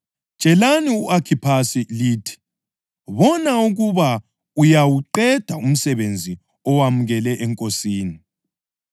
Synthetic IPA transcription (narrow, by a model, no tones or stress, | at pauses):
ʒ̥ʼʱɛlaniuʔakʰipʰasiliːtʰi̥ | βɔnauɣuβa | ujawuǃɛd̥ʱaum̩sɛβend͡zʱi | ɔwamuɣɛlɛʔɛŋkʼosiːni